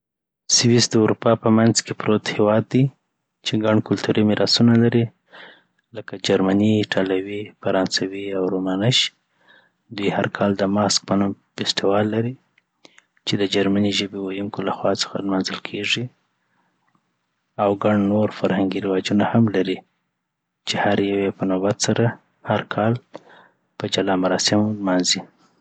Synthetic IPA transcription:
sɪwisd̪əuɾupɑpəmanzkepɾot̪hewɑd̪̚ːi | t͡ʃeɡaɳkʊlt̪uɾimɪɾʔɑsunalaɾi | ləkad͡ʒaɾmaniʈʰalawifaɾɑnsawiawɾomanəʃ | d̪ujhaɾkʰɑld̪əmɑsk̚pənum | fɪsʈ̪iwɑlːaɾi | t͡ʃed̪əd͡ʒaɾmaniʒəbewajuŋkolaxwɑt͡sə̥xa̰lmɑnzəlkʰeʐi | awɡaɳnoɾfaɾhaŋɡiɾɪwɑd͡ʒunahamlaɾi | t͡ʃehaɾjawepənobat̪saɾa | haɾkʰɑl | pəd͡ʒalɑmaɾɑsɪmlmɑnzi

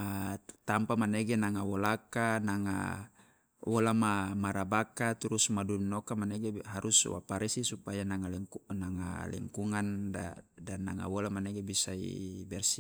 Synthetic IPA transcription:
at̪ampamaneɡenaŋawolakanaŋa̰ | wolamamaɾabakat̪uɾusmadunɔkamanɛɡeɦaɾʔuswa̰paɾisisupajanaŋalnaŋa̰lḭŋkuŋandadanːa̰ŋa̰wolamaneɡebisaḭbɛrsi

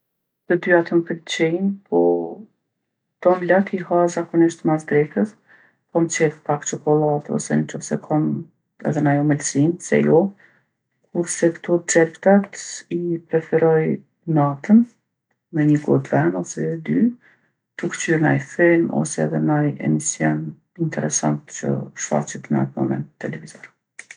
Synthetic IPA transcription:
t̪əd̪yat̪əmpəkt͡ɕɛnpʰɔ | t̪ɔmlat̪ihazakɔniʃt̪masd̪ɾɛt̪əs | pɔmt͡ʃɛvpakt͡ʃɔkɔlˠat̪ɔ̰sɛnət͡ʃɔsɛkʰɔm | ɛ̰ðɛnajɔmɛlsinsɛ̰jɔ | kʰuɾsɛkt̪ɔt͡sɛpt̪at̪ipɾɛfɛɾɔj | nat̪ən | mɛɲəɡɔt̪vɛnɔsɛd̪y | t̪ukt͡ʃyɾnajfɛlmɔ̰sɛɛðɛnajɛ̰misjɔn | int̪ʰɛɾɛsant̪t͡ɕə̰ʃfa̰t͡ʃit̪na̰t̪mɔmɛ̰nt̪ːɛlɛvizɔɾ

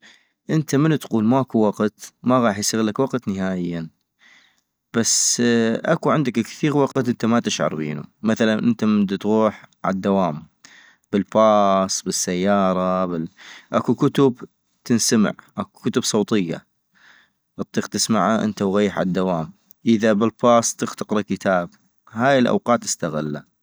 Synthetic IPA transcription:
ʔɪnt̪amɪnt̪quːlmaʔakuwaqt̪maɣɑːħjsaɣlakwaqt̪nɪɦaːʔɪjːa | b̥asʔakuʕɪnd̪akkθiːɣwaqt̪ʔɪnt̪amat̪ɪʃʕɑ̰ɾˤbḭːnṵmaθalanʔɪnt̪amɪnd̪t̪ɣuːħʕa̰d̪ːawaːm | b̥ɪlfɑːsˤbɪsːajːɑːɾˤɑbɪʔakukʊt̪ʊb | t̪ɪnsamɪ̰ʕʔaku̥kʊt̪ʊbsˤoːt̪ˤɪjːa̰ | ʔɑt̪ˤːiːqt̪ɪsmaʕaʔə̰nt̪awɣajːħʕa̰ad̪ːawaːm | ʔəðabɪlpɑːsˤt̪ɪxt̪ɪqɾˤɑkːət̪ʰaːb | haːjɪlʔa̰wqɑːt̪ɪ̥st̪aɣa̰lːa̰

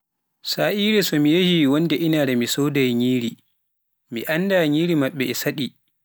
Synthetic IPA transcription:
saːʔiːɾɛsɔmijɐhiwɔndɛʔɪnaːdamisɔːdajɲiːɾi | miʔandaːɲiːɾimɐɓːɛʔɛsaɗi

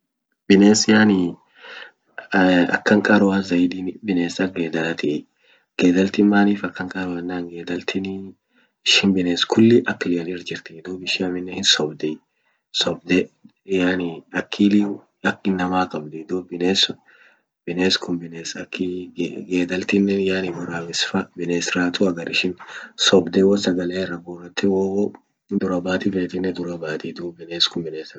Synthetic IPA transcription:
b̥ɪneːsɪjaːnɪ | ɐ̰kːɐŋkʼɐɾʊwazɐjd̪ibɪneːsɐɡeːd̪ɐlɐt̪ɪ | ɡ̥eːd̪ɐlt̪ɪmːaːniːfɐkːɐŋkʼɐɾʊwɐnːaːŋɡeːd̪ɐlt̪ʰɪn | ɪʃɪnbɪneːskʰʊlːɪʔɐkːɪlɪɐnɪɪɾd͡ʒɪɾt̪ɪɪd̪oːbɪʃɪɐmɪnːɛhɪnsɔbd̪ɛ | sɔbd̪ɛ | janɪɐkʰːiːli | ɐkːɪnːɐmaːkʼɐbd̪ɛd̪uːbɪneːs | bɪneːskʰʊmbɪneːsɐkʰːɪɡeːd̪ɐlt̪ɪnːɛnjaːnɪbʊɾamɪsfɐbɪneːsɾaːt̪ʊɐɡɐɾɪʃɪnsɔbd̪ɛwɔsɐɡɐleːrːɐboːrɐt̪ːɪwoːɔ | d̪ʊɾɐbaːt̪ɪfeːt̪ɪnːɛd̪ʊɾɐbaːt̪id̪uːbɪneːskʊmbɪneːs

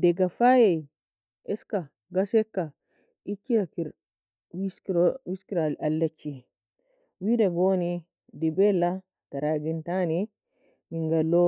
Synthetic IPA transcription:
dɛɡafajɛ | ʔɛska | ɡasɛkːa | ʔikːiɾakiɾ | wiskɾwiskiɾalalːat͡ʃːi | widaɡoni | dɛbɛlːa | taɾaɡɛntani | miŋɡalːɔ

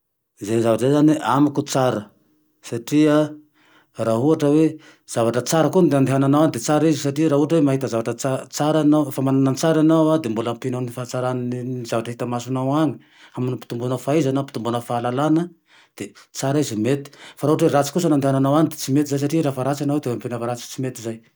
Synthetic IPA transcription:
zenizavaʈ͡ʂzezaniamikut͡saɾə | saʈ͡ʂia | raɦuaʈ͡ʂəwe | z̥avaʈ͡ʂət͡saɾəkund̪eand̪eɦananawanid̪et͡saɾizisaʈ͡ʂiɾaɦuaʈ͡ʂəwemaɦit̪əzavaʈ͡ʂət͡sat͡saɾanawfamananant͡saɾanawad̪embulampenanifant͡saɾananinizavaʈ͡ʂɦit̪amasunawaŋi̥ | aminipi̥t̪umbunəfaizanapit̪umbunəfaːlalanə | d̪̥et͡saɾaizimet̪i̥faɾauaʈ͡ʂweɾat͡si̥kusənand̪eɦananawanid̪e̥t͡simet̪izajs̬aʈ͡ʂiɾafaɾat͡sanawed̪eampenafaɾat͡si̥t͡simet̪izaj

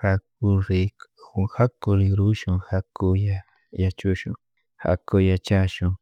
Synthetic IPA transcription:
hak̚uɾiuhakuɾiɾuʃũhakuja | jat͡ʃuʃũ | ha̰kojat͡ʃaʃũ

